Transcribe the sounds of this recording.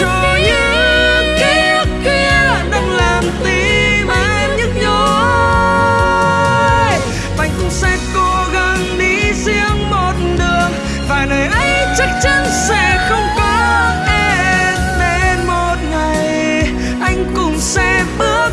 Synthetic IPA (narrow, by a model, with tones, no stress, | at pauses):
t͡ɕɔ˧˩ɲɨ˧˥ŋka˨˦˥xi˧əɗa˧ŋlaː˨˩mt̪i˧˦ma˨˧˦ | ɲɨ˧˥ŋɲo˧ | j | ʔa˧˩jŋ̟kʊ˧˨˩ŋ͡msɛ˧ko˧ɣa˧ŋɗi˧˦zi˧əŋmo˨˩t̚ɗɨ˨˩əəŋ | vaː˨˩nəː˨˩jʔə˧jt͡ɕa˦˥k̚t͡ɕa˧˥nsɛ˧˥xə˧wŋ͡mkɔ˨˦ʔɛ˧ | ɗe˧nmo˨˩t̚ŋa˨˩j | ʔa˧jŋ̟kʊ˧˩ŋ͡msɛ˧ɓɨ˦˥ək